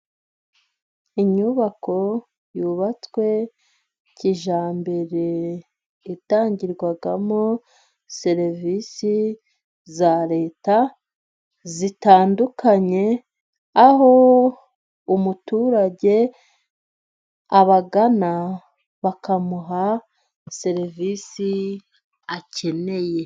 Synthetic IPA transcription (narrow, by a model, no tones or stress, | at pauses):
iɲuβakʰo̞ | juβat͡swe̞ | ciʒaːmbe̞ɾe̞ | itaːɲɟiɾɡwaɡamo | se̞ɾvisi | zaɾe̞ːta | zitaːndukʰaɲe̞ | aho̞ | umutuːɾaɟe̞ | aβaɡana | βakamuɦa | se̞ɾivisi | ace̞ne̞je̞